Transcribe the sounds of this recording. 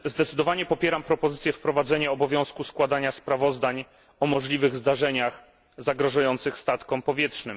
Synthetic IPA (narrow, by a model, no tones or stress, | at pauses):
zd̪ɛt̪sɘd̪ɔvaɲɛpɔpʲjɛɾampɾɔpɔzɘt̪sʲjɛfpɾɔvad̪zɛɲɛɔbɔvʲjɔ̃w̃skuskwad̪aɲaspɾavɔzd̪aɲ | ɔmɔʐlʲivɘɣzd̪aʐɛɲax | zaɡɾɔʐujɔnt̪sɘxst̪at̪kɔmpɔvʲjɛtʂnɘm